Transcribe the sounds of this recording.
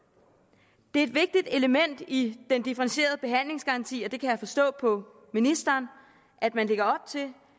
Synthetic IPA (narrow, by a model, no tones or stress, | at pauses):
d̥e̝ɐe̝d̥ʋe̝ɡ̥̚d̥id̥e̝ləmen̰d̥id̥end̥ifəʁenɕe̝̰ːɐð̞̩ˠb̥e̝ɦæn̰le̝ŋsɡ̥ɑ̈ʁɑ̈nt͡sʰḭːɒ̽d̥e̝kʰæjɑ̈ɪfɒ̽sd̥ɔ̰̽ːpʰɒ̽ | minisd̥ɐːn | ʔæd̥mænle̝ɡ̥ɐɒ̽b̥̚t͡sʰe̝l